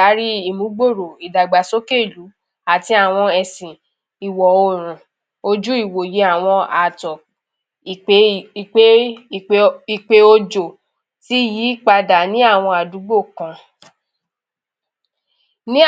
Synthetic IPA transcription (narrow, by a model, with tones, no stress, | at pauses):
a˨˦ɾi˦i˦˨mũ˨˦ɡ͡bo˦˨ɾo˨i˨da˨ɡ͡ba˨so˦ke˦˨lu˨˦ | a˨ti˧a˦˨w̃ɔ̃˧ɛ˨sĩ˨ | i˨wɔ˨o˦˨ɾ̃ũ˨ | o˧d͡ʒu˦i˦˨wo˨je˨˦a˦˨w̃ɔ̃˧a˨tɔ˨ | i˨e˨˦˧e˦˨ | i˦˨k͡pe˧o˧d͡ʒo˨ | ti˦ji˨˦k͡pa˧da˨nĩ˦a˦˨w̃ɔ̃˧a˨du˨˦ɡ͡bo˦˨kã˧ | nĩ˦